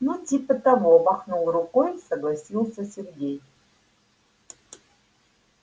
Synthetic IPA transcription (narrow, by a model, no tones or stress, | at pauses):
nutʰipʼɐt̪ʼavobaχnulˠɾukʼojsɐɡlˠasʲilˠsɐsʲerɡʲej